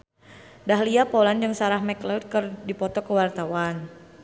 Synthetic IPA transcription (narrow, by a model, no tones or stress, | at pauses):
daɦliapɔland͡ʒəŋsaɾahmɛklad̪̚kərdipɔt̪ɔkəwart̪awan